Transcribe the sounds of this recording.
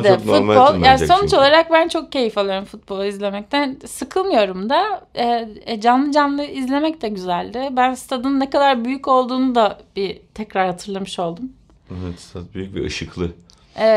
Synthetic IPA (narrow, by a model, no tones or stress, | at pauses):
d̪ɛfut̪bo̞lˠjaːso̞nut͡ʃolˠaɾak̚bænt͡ʃʰo̞k̚ce̞jifolˠaɾɯmfut̪̚bo̞lˠaizlʲe̞mɛc̚t̪ʰænsɯkʰɯlˠmɯjo̞ɾumd̪aɛd͡ʒanlˠɯd͡ʒanlˠɯizlʲe̞mɛct̪ʰɛɟyzælʲd̪ɪbænst̪ʰad̪ɯnːɛkad̪aɾbyjyco̞lˠd̪uːnud̪abit̪ʰɛcɾaɾhat̪ʰɯɾlˠamɯʃo̞lˠd̪um | evɛt̪st̪ʰad̪byjyc̚bḭʔɯ̰ʃɯklˠɯ | e